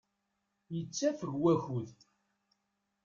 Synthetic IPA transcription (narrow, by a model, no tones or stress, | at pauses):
jət͡sːæfəɡwæçuð